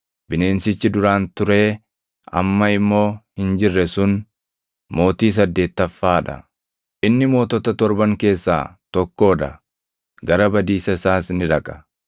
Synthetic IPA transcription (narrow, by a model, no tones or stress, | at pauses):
bɪne̞ːnsɪt͡ʃːɪd̪ʊɾaːnt̪ʊɾe̞ː | ɐ̰mːɐɪmːo̞ːhɪnd͡ʒɪrːɛsʊn | mo̞ːt̪iːs̬ɐd̪ːe̞ːt̪ːɐfːaːᶑɐ̰ | ʔɪnːɪmo̞ːt̪ɔt̪ɐt̪ɔɾbɐŋke̞ːsːa̰ːt̪ɔkːo̞ːᶑ̪ɐ | ɡɐɾɐbɐd̪iːsɐɪsaːsnɪᶑɐkʼɐ̥